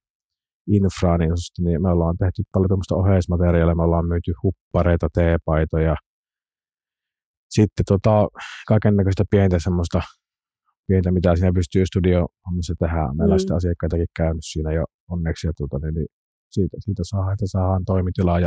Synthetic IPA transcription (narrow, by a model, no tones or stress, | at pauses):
infrɑːninsost̪ɑnimeolːˑɑːnt̪eht̪ypɑljot̪omːost̪ɑohesmɑt̪eriɑːˑlːɑmeolːˑɑːmmyːt̪yhupːɑreˑit̪ɑt̪eːpɑˑit̪ojɑ | sit̪ːet̪uot̪ɑkɑˑekenːækøst̪æpient̪æsemːost̪ɑ | pient̪æmit̪æsiːnæpyst̪yːst̪udioɑmːɑsːɑt̪ehæˑʔmeˑlːɑˑst̪æɑsikːɑˑit̪ɑkikkæˑønyssiːnæjo | onːeksjɑt̪uot̪ɑnini | siːt̪æsiːt̪æsɑˑhɑet̪ːæsɑˑːhɑnt̪oˑimit̪ilɑjɑ